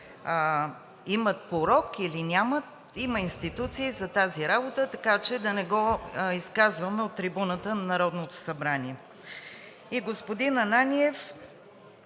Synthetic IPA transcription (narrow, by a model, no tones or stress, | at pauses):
imət̪̚poɾɔkilinʲamət̪̚ | iməinst̪it̪ut̪siːzɐt̪aziɾabot̪ət̪ɐkat͡ʃɛd̪ɐnɛɡɔiskazvɐmɛot̪ːɾibunət̪ənɐnɐɾɔd̪not̪o̥sɐbɾaniɛ | iɡospod̪inɐnaniɛf